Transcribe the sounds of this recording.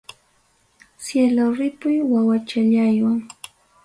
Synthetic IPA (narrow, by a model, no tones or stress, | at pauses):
sjeloɾɪpʊjwawat͡ʃaʎajwaŋ